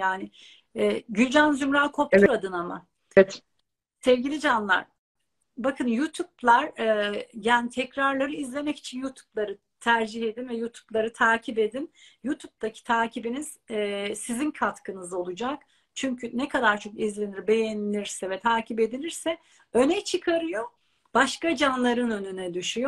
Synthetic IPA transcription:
jaːnɪ | ɛɟylʲd͡ʒanzymɾaːkʰo̞p̚uɾad̪ɯnama̰ | ɛt̪ | sɛvɟilʲid͡ʒanlˠa̰ɾ̥ | bakʰɯnjut̪ʰuplˠaɾɛjaːnt̪ʰɛcɾaɾlˠaɾɯizlʲe̞mɛci̥t͡ʃʰinjuːt̪ʰu̥blˠaɾɯ | t̪ʰæɾd͡ʒihe̞d̪invɛjut̪ʰu̥blˠaɾɯt̪ʰaːcʰibe̞d̪injut̪ʰub̚d̪acʰi̥t̪ʰaːcʰibiniz̥sizinkʰat̪kɯnɯzo̞lˠud͡ʒak | t͡ʃʰyɲcʰynɛkʰad̪aɾt͡ʃʰo̞kizlʲe̞niɾbe̞jenilʲiɾsɛvɛt̪ʰaːcʰibe̞d̪ilʲiɾsɛ | ø̞nɛt͡ʃʰɯkʰaɾɯjo̞ | b̥aʃkad͡ʒanlˠaɾɯnø̞nynɛd̪yʃyjo

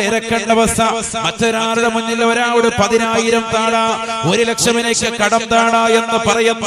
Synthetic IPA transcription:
iɾɐkːɐɳɖɐʋɐsʰɐmɐtːoɾaːɾɐðɐmuɲːiloɾaːʋɐɽepɐðinaːjiɾɐmt̪aːɳaːo̞ɾulekʂɐminekːɨkɐɽɐmt̪aːɳaːe̞nːɐpɐrɐjunː

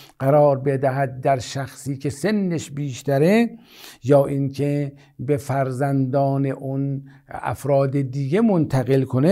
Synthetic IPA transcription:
ɢ̥æɾɒːɾbe̞d̪æɦæd̪̚d̪æɾʃæxsiːkʰe̞senːeʃbiːʃt̪æɾe | jɒːʔiŋkʰe | befæɾzænd̪ɒːneʔon | æ̰fɾɒːd̪ed̪iɡemont̪ʰæɣelkʰone

